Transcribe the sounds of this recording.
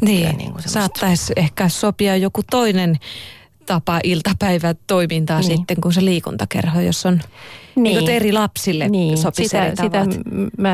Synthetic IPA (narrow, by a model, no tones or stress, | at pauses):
niːnḭːŋkussɑːt̪ːɑisehkæːssopiɑjjokut̪oinen | t̪ɑpɑʔilt̪ɑpæiʋæt̪oimint̪ɑːsit̪ːeŋkunseliːkṵnt̪ɑkḛrhojo̰sːonniːkot̪erilɑpsilːeniːsosit̪erist̪ɑiʋ̪mæ